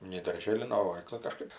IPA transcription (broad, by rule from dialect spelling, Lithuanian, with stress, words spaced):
nʲɛɪ dɐrʲˈʒʲeːlʲɪn ˈnʊ oː ˈʋɐ tɐɪ kɐˈʃkɐɪp